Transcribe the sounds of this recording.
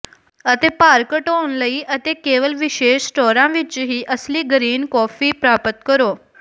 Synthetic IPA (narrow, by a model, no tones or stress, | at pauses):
ət̪epaɾkəʈonləiːʔət̪ekeʋəlʋiʃeːɕsʈɔɾãʋit͡ʃɦiːʔəsliːɡəɾiːnkɔfiːpɾapət̪kəɾo